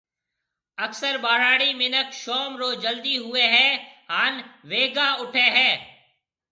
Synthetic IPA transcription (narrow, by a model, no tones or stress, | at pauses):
əksəɾɓaːɾaːɽiːmɪnəkʃoːmɾoːd͡ʒəld̪iːɦʊeːɦɛːɦaːnʋeːɡaːʊʈʰeːɦɛː